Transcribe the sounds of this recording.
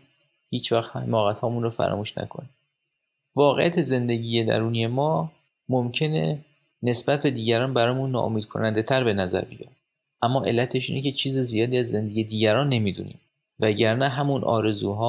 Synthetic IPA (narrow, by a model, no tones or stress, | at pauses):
hiːt͡ʃvæxt̪mɒːɣæt̪hɒːmunrofæ̰ɾɒ̰ːmuːʃnæ̰kʰo̞̰ni | vɒːɣejæt̪ʰe̞ze̞nd̪eɟiːjed̪æ̰ɾuːnije̞mɒː | momcʰe̞ne̞̰ | ne̞sbæt̪̚be̞d̪iːɟæɾɒːnbæɾɒːjmunːɒ̰ːʔo̰miːd̪̚kʰo̞̰nænd̪e̞t̪ʰæɾbe̞næzæ̰ɾbḭjɒ̰ːf | ʔæmːɒːʔe̞̰lːæt̪ʰe̞ʃ̬ḭːnecʰe̞t͡ʃʰiːzizijɒːd̪iːæzːe̞nd̪eɟijed̪iːɟæɾɒːnːe̞miːd̪ṵnḭːm | væɟæɾnæɦæmunʔɒ̰ːɾe̞zuːɦɒː